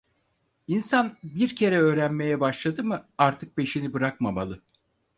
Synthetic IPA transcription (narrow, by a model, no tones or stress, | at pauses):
insanbiɾcʰe̞ɾɛø̞ːɾænme̞jɛbaʃlˠad̪ɯmɯaɾt̪ʰɯk̚pe̞ʃinibɯɾak̚mamalˠɯ